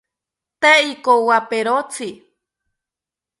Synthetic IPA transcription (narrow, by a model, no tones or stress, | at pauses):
t̪eikowapeɾot͡sʰi